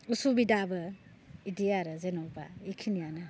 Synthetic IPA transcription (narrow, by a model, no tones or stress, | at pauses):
usubidabɐ | idijaɾɐzenɔba̰ikʰinijanɐ